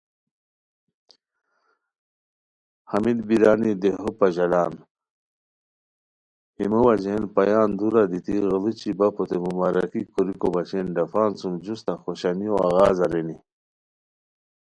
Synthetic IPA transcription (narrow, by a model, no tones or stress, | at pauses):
hɐmid̪biɾaːnid̪eɦopaʑɐlaːn | himuwad͡ʑenpajaːnd̪uɾad̪it̪iɣəlut͡ɕibapot̪emumaɾɐkikuɾikobat͡ɕenɖɐfaːnsumd͡ʑust̪axoɕanioa̰ɣaːzɐɾeni